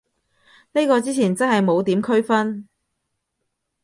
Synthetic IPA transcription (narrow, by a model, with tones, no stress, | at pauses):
ne˥jkɔː˧t͡siː˥t͡sʰiː˨˩nt͡sɐ˥nɦɐ˨jmo˨˧wt̪iː˨˥mkʰɵ˥ɥfɐ˥n